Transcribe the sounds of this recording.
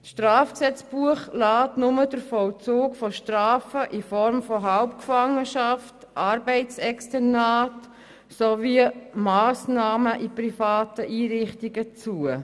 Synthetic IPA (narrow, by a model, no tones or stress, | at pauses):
sʃtraːfksɛt͡sb̥uəχlaːtnʊmədəɾfɔlt͡suːkfɔʃtraːfəʔifɔɾmfɔɦaʊpkfɑŋːəʃɑft | ʔɑːɾbɛɪt͡sɛkstɛnaːt | sovimaːsnɑːməʔiprifaːtəʔiːɾɪχtiɡət͡suə